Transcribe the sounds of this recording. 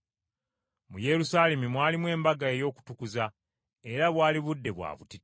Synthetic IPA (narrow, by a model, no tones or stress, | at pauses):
muje̞ɾusaːle̞mimwaːlimwe̞ːmbaɡaejo̞ːku̥tukuza | e̞ɾaβwaːliβudːe̞βwa̰ːβṵti